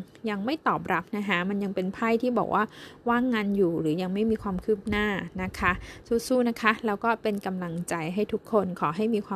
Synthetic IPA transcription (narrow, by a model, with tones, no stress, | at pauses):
ja˧ŋma˥˩jt̪ɔː˨˩p̚ɾa˦˥p̚na˦˥kʰa˦˥ma˧nja˧ŋpe˧npʰa˥˩jt̪ʰiː˥˩bɔ̰ː˨˩k̚wʔaː˥˩waː˥˩ŋːaː˧njuː˨˩ɾɯː˩˦ja˧ŋma˥˩jmiː˧kʰwaː˧mkʰɯː˥˩p̚naː˥˩na˦˥kʰa˦˥suː˥˩suː˥˩na˦˥kʰa˦˥lɛː˦˥wkɔː˥˩pe˧nka˧mla˧ŋt͡ɕa˧jɦa˥˩jt̪ʰu˦˥kʰːo˧nkʰɔː˩˦ɦa˥˩jmiː˧kʰwaː˧